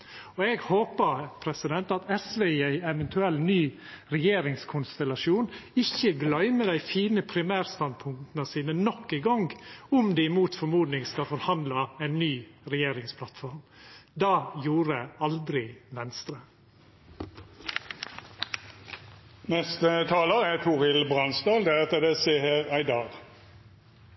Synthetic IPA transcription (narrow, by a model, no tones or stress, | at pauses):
ɔɛːɡhoːpəpʰɾɛsɪd̪ɛnt̪ɑt̪ɛsʋeiæɪɛʋɛnt̪ʰʉɛlːnyːɾɛjeːɾɪŋskʰʊnst̪ɛlɑʂuːnɪçəɡlœʏməd̪æɪfiːnəpʰɾɪmæːɾst̪ɑnd̪̚pʰʊŋt̪nəsiːnənɔkːɪɡɔŋɡʊmd̪ɛːɪmuːt̪fɔɾmuːd̪nɪŋskɑlfɔɾhɑnd̪lɑæɪnːyːɾɛjeːɾɪŋspʰlɑt̪fɔɾmd̪ɑːjuːɾəɑld̪ɾɪʋɛnst̪ɾə | nɛst̪ət̪ʰɑːləæt̪ʰʊʁɪlbʁɑnsd̪ɑːld̪ɛʁɛt̪ːəd̪ɛseːhæːʁæɪd̪ɑːl